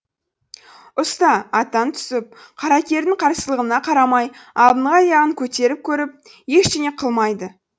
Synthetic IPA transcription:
ʊst̪ɑɑt̪ːɑnt̪ʰʏ̥sɪp̚ | qʰɑɾɑkʲe̞ɾd̪ɪɴqʰɑɾsəlˠəʁənɑqʰɑɾɑmɑjɑb̪ˠəɴʁɑjɑʁəŋkʲʰɵt̪e̞ɾɪp̚kʲʰɵɾɪp̚ | je̞ʃt̪ene̞qʰəlˠmɑjd̪ə

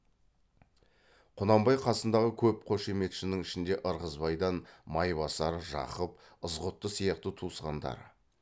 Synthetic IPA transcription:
qʰʊnɑmbɑjqʰɑsənd̪ɑʁəkʲʰɵp̚qʰo̞ʃeme̞t̪ʃɪnɪŋɪʃɪnd̪e̞ʔəɾʁəzbɑjd̪ɑnmɑjβɑsɑɾʒɑ̰qəp̚ | əzʁʊt̪ːəsijɑqt̪ət̪ʰusqɑnd̪ɑ̰ɾ

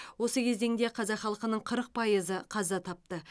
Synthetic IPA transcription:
wo̞səkʲʰe̞zd̪e̞ŋd̪e̞qʰɑzɑχɑlˠqənəɴqʰəɾəq̚pʰɑjəzəqʰɑzɑt̪ʰɑp̚t̪ə

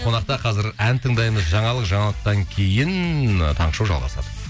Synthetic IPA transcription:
qʰo̞nɑqt̪ɑqʰɑzɪɾænt̪ʰəɴd̪ɑjməzʒɑɴɑlˠəqʒɑɴɑlˠəq̚t̪ɑŋkʲʰe̞jɪnt̪ʰɑɴʃuwʒɑ̰lˠʁɑ̰sɑ̰d̪ə

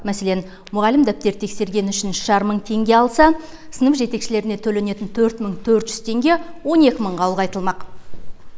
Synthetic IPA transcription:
mæse̞le̞n | mʊʁɑlɪmd̪æp̚t̪e̞ɾt̪ʰe̞kse̞ɾɡʲe̞nʏʃɪnʃɑɾəmːəɴt̪ʰe̞ŋɡʲe̞ɑlˠsɑ | sənəfʒe̞t̪e̞kʃɪle̞ɾɪne̞t̪ʰɵle̞ne̞t̪ɪnt̪ʰɵɾt̪məɴt̪ʰɵɾt̪ʒʏz̥t̪ʰe̞ŋɡʲe̞wo̞ne̞kʲɪməɴʁɑwlˠʁɑjt̪əlˠmɑq

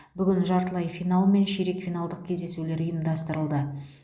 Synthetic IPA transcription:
bʏɡʲɪnʒɑɾt̪əlˠɑjfijnalˠme̞nʃeɾe̞kfʲijnalˠd̪əq̚kʲʰe̞zd̪e̞sule̞ɾʊjəmd̪ɑst̪əɾəlˠd̪ə

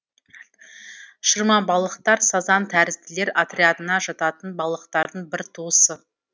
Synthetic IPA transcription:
ʃəɾmɑbɑlˠəqt̪ɑɾsɑzɑnt̪ʰæɾɪzt̪ɪle̞ɾat̪ɾʲead̪ənɑʒɑt̪ɑt̪ənbɑlˠəqt̪ɑɾd̪əɴbɪɾt̪ʰuəsə

